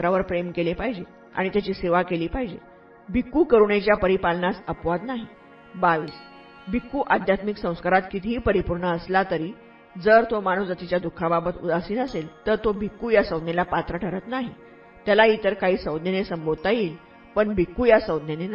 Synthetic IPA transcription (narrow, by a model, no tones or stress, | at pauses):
ɾaʋəɾpɾemkelepaɦid͡ʑe | a̰ɽ̃it̪jat͡ɕiːseʋakeliːpaɦid͡ʑḛ | bʱikːukəɾuɳet͡ɕjapəɾipalnasəpʋad̪naɦi | baʋiːs | bʱikːuʔad̪ʱjat̪miksə̃w̃skaɾat̪kit̪ʰiɦipəɾipuɾɳəːslat̪əɾiː | d͡zəɾt̪omaɽ̃uːsd͡zat̪it͡ɕjad̪ukʰːababət̪ṵd̪asiːnəselt̪əɾt̪obʱikːujasəwd̪nelapat̪ɾəʈʰəɾət̪naɦi | t̪jalait̪əɾkaɦiːsəwd̪nenesəmbod̪̚t̪aiːl | pəɳbʱikːujasəwd̪nene